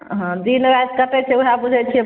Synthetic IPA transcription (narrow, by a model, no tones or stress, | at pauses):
ɦɔ̃d̪inʋaskət̪et͡ʃʰɛuɦabud͡ʒʱɛt͡ʃʰiɛ